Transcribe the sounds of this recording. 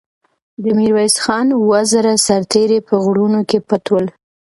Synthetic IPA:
d̪əmiɾwajsxɑnwazaɾasaɾt̪eɾepəɣɽunokepat̪wəl

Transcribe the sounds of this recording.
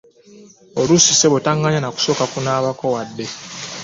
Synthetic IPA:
olusiseβetaŋɡaɲanaku̥so̞ːkakunaːβakowadːe̞

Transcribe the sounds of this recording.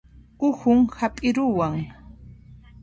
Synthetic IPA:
ʊhʊŋhapʼɪɾʊwaŋ

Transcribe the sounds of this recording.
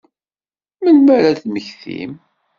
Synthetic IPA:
mənmæɾæθməçθḭm

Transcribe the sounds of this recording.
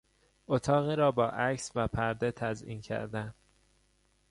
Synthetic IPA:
ʔot̪ʰɒːɣiːɾɒːbɒːʔæcsvæpʰæɾd̪et̪ʰæzʔḭːncʰæ̰ɾd̪æn

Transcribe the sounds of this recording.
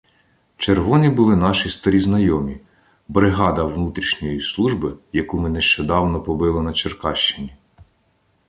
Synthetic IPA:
t͡ʃerʋɔnʲibʊlˠɪnɑʃist̪ɐɾʲiznɐjɔmʲi | bɾɪɦɑd̪ɐwnut̪ɾʲiʃnʲɔjislˠuʒbɪjɐkumɪneʃt͡ʃɔd̪ɑwnɔpɔbɪlˠɪnɐt͡ʃerkɑʃt͡ʃɪnʲi

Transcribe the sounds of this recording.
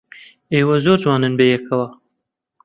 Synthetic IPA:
ewazoɾzwɑnənbejekʰawa

